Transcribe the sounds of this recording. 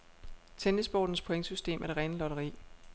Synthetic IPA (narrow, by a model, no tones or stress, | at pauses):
t͡sʰenesb̥ɒ̰ːd̥n̩spʰoeŋəsysd̥e̝̰ːmʔæɐɾ̥e̝ʁɛnəlɒ̽ɾ̥ɐʁḭː